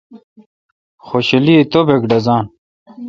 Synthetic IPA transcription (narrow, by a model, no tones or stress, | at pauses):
xoɕɐliet̪obekɖɐzãːn